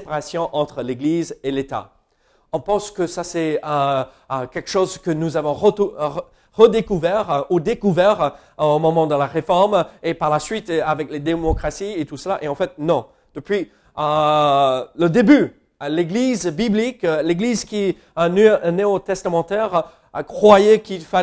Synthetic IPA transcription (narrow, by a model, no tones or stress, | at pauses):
paʁasjɔ̃ʔɑ̃t̪χəleɡlizelet̪a̰ | ɔ̃pɑ̃skəsasɛə | kʲɛlkʃozkənuzavɔ̃ʁə | ʁəd̪ekuvɛʁud̪ekuvɛʁ | omɔmɑ̃d̪əlaʁefɔʁmepaʁlasɥit̪avɛkled̪emɔkχasiet̪usəlaʔeɑ̃fɛt̪̚nɔ̃ | d̪̥əpɥi | ə | ləd̪eby | leɡlizbiblikleɡlizkʲi | nneot̪ɛst̪amɑ̃t̪ɛʁ | kχwajɛkilfa